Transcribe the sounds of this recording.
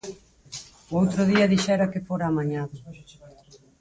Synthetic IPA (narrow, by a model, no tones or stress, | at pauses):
owt̪ɾʊðiɐðiʃɛɾɐkɪfoɾaːmaɲaðʊ